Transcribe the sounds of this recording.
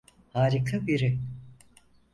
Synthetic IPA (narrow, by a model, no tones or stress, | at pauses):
haːɾikʰabiɾi